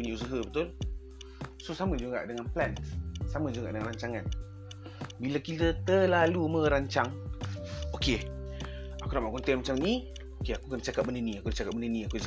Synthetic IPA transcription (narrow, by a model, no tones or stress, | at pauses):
uɲəusəɦəbət̪ʊl | sosaməd͡ʒuŋa̰ʔdəŋanplɛnt̪saməd͡ʒuŋɡa̰ʔdəŋanrɾaɲt͡ʃaŋan | bilakit̪ət̪əlalumə̃ɾaɲt͡ʃaŋ | oke | akunaʔmaʔkunt̪ɛnmat͡ʃamni | okeakukandt͡ʃakat̚bənəniakudət͡ʃakap̚bənənĩaku